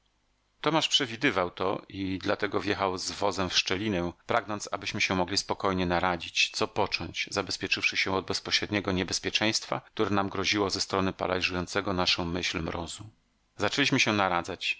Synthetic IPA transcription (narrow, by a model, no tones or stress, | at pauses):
t̪ɔmaʂpʂɛvʲid̪ɘvawt̪ɔ̰id̪lat̪ɛɡɔvʲjɛxawzvɔzɛmfʂt͡ʂɛlʲinɛpɾaɡnɔnt̪sa̰bɘɕmɘɕɛmɔɡlʲispɔkɔjɲɛnaɾad͡ʑit͡ɕt̪sɔpɔt͡ʂɔɲt͡ɕzabɛspʲjɛt͡ʂɘfʂɘɕɛ̃ɔd̪̚bɛspɔɕɾɛd̪ɲɛɡɔɲɛbɛspʲjɛt͡ʂɛj̃st̪fa̰k̚t̪uɾɛnamɡɾɔʑiwɔzɛst̪ɾɔnɘpa̰la̰jʐujɔnt̪sɛɡɔnaʂɔ̃w̃mɘɕlmɾɔzu | zat͡ʂɛlʲiɕmɘɕɛnaɾad̪zat͡ɕ